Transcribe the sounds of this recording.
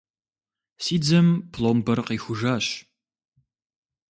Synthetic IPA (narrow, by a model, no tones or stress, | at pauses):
siːd͡zɐmpʰlˠombɐrqiːxʷʊʒaːɕ